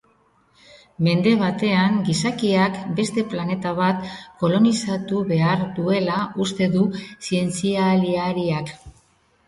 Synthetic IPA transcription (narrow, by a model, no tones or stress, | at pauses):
me̞nd̪e̞β̞at̪e̞aŋɡisakiakbe̞st̪e̞plane̞t̪aβ̞at̪ko̞lo̞nisat̪uβe̞aɾd̪ue̞laʔust̪e̞ðusie̞nt͡sialiaɾiak